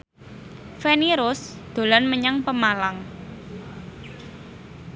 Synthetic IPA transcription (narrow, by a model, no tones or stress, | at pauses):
feniɾʊsd̪̥o̤lanməɲaŋpəmalaŋ